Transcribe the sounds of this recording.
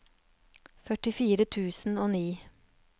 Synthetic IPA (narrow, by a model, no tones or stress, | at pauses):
fœʈɪfiːɾət̪ʰʉːsn̩oːniː